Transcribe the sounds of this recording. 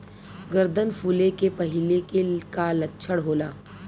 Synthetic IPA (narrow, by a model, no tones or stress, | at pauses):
ɡəɾd̪ʱənfuːlekepɐɦɪlekekalɐtːʃʰəɽɦoːlaː